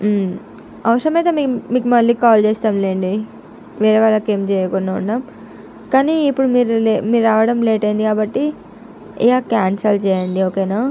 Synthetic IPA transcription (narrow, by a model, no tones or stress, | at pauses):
ɐʋɐʂɾɐmiːt̪emikmiːkumɐlːiːkaːlt͡ʃeːst̪aːmleːɳɖi | ʋeːɾeʋaːlːɐkeːmt͡ʃɛːjɐkunːaːunːaːm | kaːniːpːuɽumiːɾulmiːɾɾaːʋɐɽɐmleːʈɐjind̪ikaːbɐʈːi | ḭaːkaːnsɐlt͡ʃɛːjɐɳɖioːkeːnaː